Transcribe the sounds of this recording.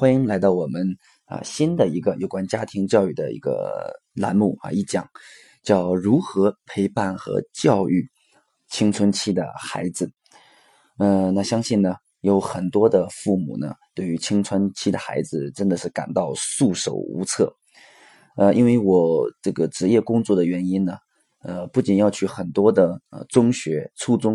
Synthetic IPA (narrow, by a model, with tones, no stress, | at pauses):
xwa˥ni˥ŋla˧˥ɪt̪ɑ˥˩ʊwɔ˨˩mə˦n | ə̰˧ɕi˥nd̪ə˨i˧˥ɡə˧jo˨˩ʊkwa˥nt͡ɕja˥t̪ʰi˧˥ŋt͡ɕjɑ˥˧ʊy˥˩d̪ə̰˩ḭ˧˥ɡə̰˧la̰˧˥nmu˥˩a̰˧i˥˩t͡ɕjɑ˨˩˦ŋ | t͡ɕjɑ˥˩ʊɻu˧˥xɤ˧˥pʰe˧˥ɪpa˥˩nxɤ̰˧˥t͡ɕjɑ˥˧ʊy˥˩ | t͡ɕʰi˥ŋt͡sʰwə˧˥nt͡ɕʰi˥d̪ə̰˨˩xa˧˥ɪd͡zɹ̩˧ | ə˥˧na˥˩ɕjɑ˥ŋɕi˥˩nnə˩ | jo˧˥ʊxə˨˩nt̪wɔ˥d̪ə˨fu˥˩mṵ˨˩nə̰˦t̪we˥˩ɪy˧˥t͡ɕʰi˥ŋt͡sʰwə˥nt͡ɕʰi˥˩d̪ə̰˩xa˧˥ɪd͡zɹ̩˧ʈ͡ʂə˥nd̪ə˨ʂɻ̩˥˩ka̰˨˩nt̪ɑ˥˧ʊsu˥˩ʂo̰˨˩ʊṵ˧˥t͡sʰɤ˥˩ | ə˧ʔi˥nwe˥˩ɪwɔ˨˩ʈ͡ʂɤ˥˩ɡə˩ʈ͡ʂɻ̩˧˥jɛ˥˩kʊ˥ŋt͡swɔ˥˩d̪ə˩ɥɛ˧˥ni˥nnə˨ | ə˧pu˥˩t͡ɕi˨˩njɑ˥˩˧ʊt͡ɕʰy˥˩xə˨˩nt̪wɔ˥d̪ə˨ə˧t͡sʊ˥ŋɕɥɛ˧˥t͡sʰu˥˧t͡sʊ˥ŋ